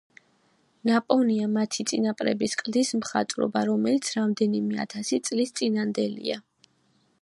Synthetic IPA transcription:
napʼɔniamat̪ʰit̪sʼinapʼɾɛ̰biskʼld̪ismχa̰t̪ʼɾɔ̰baɾɔmɛlit̪sʰɾamd̪ɛnimɛa̰t̪ʰasit̪sʼlist̪sʼinand̪ɛlḭa

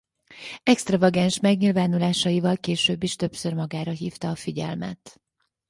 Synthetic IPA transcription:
ɛkst̪rɒvɒɡɛnʃmɛɡɲilvaːnulaːʃɒjivɒlkeːʃøːbːiʃt̪ø̞psørmɒɡaːɾɒɦiːft̪ɒːfiɟɛ̰lmɛ̰t̪

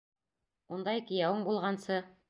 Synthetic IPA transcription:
und̪ɑjkĭjæwɤɴbulˠʁɑnsɤ

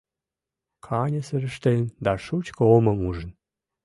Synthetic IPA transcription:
kʰɑnʲəsəɾə̆ʃt̪end̪ɑʃut͡ɕkəoməmuʒən

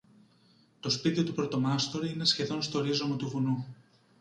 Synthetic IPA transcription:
t̪o̞spit̪iot̪upɾot̪o̞mɐst̪o̞ɾiine̞sçe̞ðo̞nst̪o̞ːɾizomɐt̪uvunu

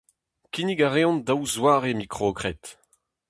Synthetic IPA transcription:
kiniɡaʁeɔ̃ndawzwaːʁemikχokʁɛt̪

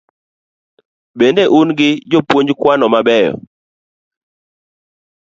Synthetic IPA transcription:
bendeʔunɡɪd͡ʒopwoɲd͡ʒkwanɔmabɛjɔ̰

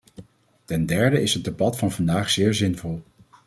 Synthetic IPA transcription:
tɛndɛɹdəɪsɦət̚debɑtfɑnvɑndaːχz̥ɪːɹzɪnvɔlˠ

